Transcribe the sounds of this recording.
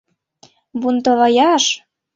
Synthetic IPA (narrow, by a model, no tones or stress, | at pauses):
βunt̪ɤlɑjɑʃ